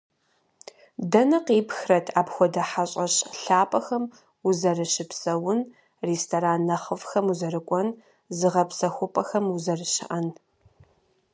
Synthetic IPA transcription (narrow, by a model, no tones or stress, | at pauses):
dɐnɐqeːpxrɐtʰaːpxʷɔdɐħaɕʼɐɕʼɬaːpʼɐxɐm | uzɐrɨɕɪpsɐwʊn | reːstʰoɾaːnːɐχəfxɐmuzɐrɨkʷʼɔn | zɨʁɐpsɐxʷʊpʼɐxɐmuzɐrɨɕɪ̰ʔɐn